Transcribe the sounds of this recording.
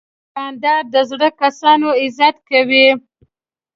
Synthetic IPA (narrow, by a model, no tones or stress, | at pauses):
kand̪ɑɾd̪əzɽəkasɑnoɪzat̪̚kawi